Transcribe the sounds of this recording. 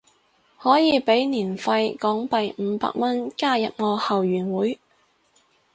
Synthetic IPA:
hɔː˨˥jiː˨˧pe˨˥jniː˨˩nfɐ˧jkɔː˨˥ŋpɐ˨jm̩˨˧pa̰ː˧k̚mɐ˥nkaː˥jɐ̰˨p̚ŋɔː˨˧hɐ˨wjyː˨˩nwuː˨˥j

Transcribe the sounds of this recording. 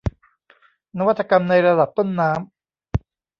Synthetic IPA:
na˦˥wa˥t̪ʰːa˧ka˧mna˧jɾa˧da˨˩p̚t̪o˥˩nːaː˦˥m

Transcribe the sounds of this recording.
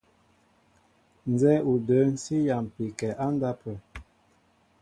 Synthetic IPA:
n̩˨zɛ˦u˨də˨˦n̩˦si˦ja˨m˨pi˨kɛ˨ʔa˦nda˦pə˨

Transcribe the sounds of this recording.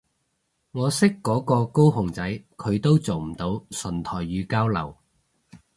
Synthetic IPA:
ŋɔː˨˧sɪ˥kːɔː˨˥kɔː˧ko˥wɦʊ˨˩ŋt͡sɐ˨˥jkʰɵ˨˧ɥt̪o˥wt͡so˨wm̩˨˩t̪o˨˧˥wsɵ˨˩nt̪ʰɔː˨˩jːyː˨˧kaː˥wlɐ̰˨˩w

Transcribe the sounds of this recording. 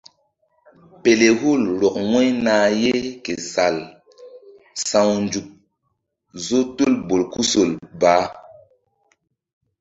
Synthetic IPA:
pe˨le˨hu˦˨lɾɔ˨k̚we˦jnaː˨je˦ke˨sa˨l | sã˨wnd͡ʒu˨k̚ | zo˦tu˦lbo˨lku˦so˨lbaː˨˦

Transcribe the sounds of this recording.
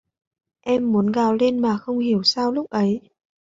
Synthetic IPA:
ʔɛ˧mːu˨˦ənɣaː˨˩wle˧nmaː˨˩xə˧wŋ͡mhi˧˩əwsaː˧wlʊ˦˥k͡p̚ʔə˨˦j

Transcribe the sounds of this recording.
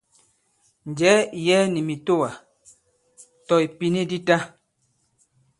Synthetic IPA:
n̩˨d͡ʒɛ˨˦˨jɛ˦ni˨mi˨to˦wa˨ | tɔ˨i˨pi˦ni˦di˦ta˦

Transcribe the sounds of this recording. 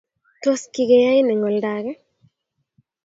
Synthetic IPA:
to˦ski˨ɡɛ˨ja˦jnɛ˨ŋɔ˨lda˨ɡɛ˦

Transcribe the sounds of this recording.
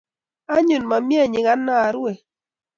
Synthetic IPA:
a˦ɲu˨nma˨mje˦˨ɲɪ˨ŋa˦nːa˦˨ɾwe˨

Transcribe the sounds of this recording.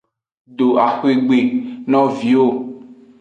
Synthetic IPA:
ɖo˨a˨xe˨ɡ͡be˨nɔ̃˦vi˨wo˦

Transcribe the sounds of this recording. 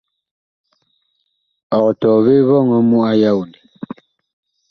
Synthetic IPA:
ɔ˨tɔ˨βe˦βɔ˦˨ŋɔ˨mu˦a˦ja˦˨wli˨

